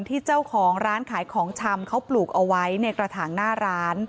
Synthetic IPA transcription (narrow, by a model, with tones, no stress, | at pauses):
nt̪ʰiː˥˩t͡ɕa˥˩wkʰɔː˩˦ŋɾaː˦˥nkʰaː˨˩˦jkʰɔː˩˦ŋt͡ɕʰa˧mkʰa˦˥wpluː˨˩k̚ʔa˧wa˦˥jna˧kɾa˧t̪ʰaː˩˦ŋnaː˥˩ɾaː˦˥n